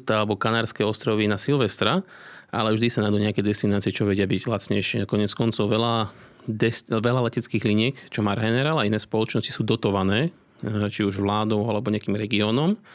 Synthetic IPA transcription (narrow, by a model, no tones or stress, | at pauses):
t̪aalɛbɔkanaːɾskɛːɔst̪ɾɔʋinasilʋɛst̪ɾa | ʔa̰lɛvʒd̪isanad̪uɲɛakɛjd̪ɛst̪inaːt͡siɛt͡ʃɔʋɛɟɪabiɟlat̪t͡sɲɛjʃɪɛkɔɲɪɛt͡skɔnt͡sɔʊʋɛla | d̪ɛsʋɛlalɛcɛt͡skiːɣliɲɪɛkt͡ʃɔmaɾɦɛnɛɾaːlainɛːspɔlɔt͡ʃnɔsci̥suːd̪ɔt̪ɔʋanɛː | t͡ʃiuʒʋlaːd̪ɔʊalɛbɔɲɛakiːmɾɛɡiɔːnɔm